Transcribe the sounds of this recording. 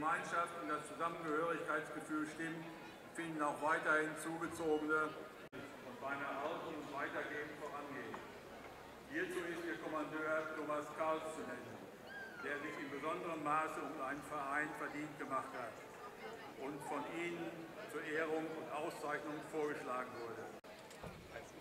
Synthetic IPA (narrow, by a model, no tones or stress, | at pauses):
əmaɪnʃaftʊntd̥ast͡suzamənɡəhøːʁɪçkaɪtsɡ̥əfyːlʃtɪm | fɪndn̩aʊxv̥aɪtɐhɪnt͡suːɡət͡soːɡənə | ʊntz̥aɪnɐʔaltnʊŋv̥aɪtɐɡeːən̩tfoːʁanɡeːn | hiːɐt͡suːɪstd̥eːɐkʰɔmandøːɐtʰoːmaskʰalst͡sunɛnən | d̥eːɐzɪçɪmbəzɔndəʁənmaːsəʊmʔaɪnənfɛɐʔaɪnfɛɐdiːnt̚ɡ̥əmaχthat | ʔʊntfɔnʔiːnənt͡suːɐʔeːʁʊŋʊntʔaʊst͡saɪçnʊŋfoːɐɡəʃlaːɡŋ̩vʊɐdə